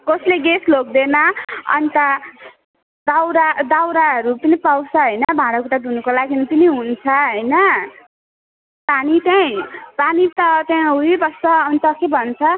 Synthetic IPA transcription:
kʌsleɡeslok̚d̪enʌʌ̰nt̪ʌ | d̪awɾad̪awɾaɦʌɾupʌnipawt͡sʰʌɦʌjnʌbʱãɽʌkuʈad̪unukolaɡinip̪ʌniɦunt͡sʰʌɦʌjnʌ | panit̪aĩpanit̪ʌt̪jãɦuibʌst̪ʌːnt̪ʌkebʱʌnt͡sʰʌ

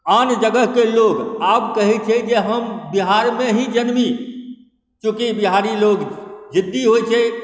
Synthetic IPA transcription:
aːnd͡ʒəɡəɦkeloɡaːbkəɦɛt͡ʃʰɛd͡ʒeɦəmbiɦaɾmeɦĩd͡ʒənmi | t͡ʃũːkibiɦaɾiloɡd͡ʒɪd̪ːiɦojt͡ʃʰɛ

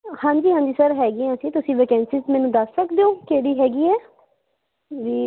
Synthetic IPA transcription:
hãːɲd͡ʒiːɦãːɲd͡ʒiːsəɾɦɛːɡiãːsĩːt̪ʊsĩːʋekɛ̃ːnsɪzmɛ̃ːnũːd̪əsːəkd̪eoːkeːɽiːɦɛːɡiːɛː | ʋiː

